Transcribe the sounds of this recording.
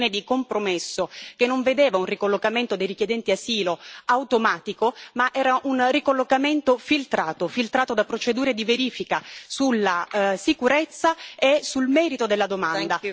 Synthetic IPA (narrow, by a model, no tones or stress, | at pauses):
ned̪ikompɾomesːokenːoɱved̪eːvaunrikolːokament̪od̪ejrikjed̪ɛnt̪iasiːloawt̪omaːt̪ikomaʔɛːɾaʔunrikolːokament̪ofilt̪ɾaːt̪ofilt̪ɾaːt̪od̪apːɾot͡ʃed̪uːɾed̪iveɾiːfikasulːasikuɾet̪sːaesulmɛːɾit̪od̪elːad̪omand̪a